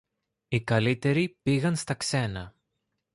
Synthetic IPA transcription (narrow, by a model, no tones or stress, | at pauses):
ikɐlit̪e̞ɾipiɣɐnst̪ɐkse̞nɐ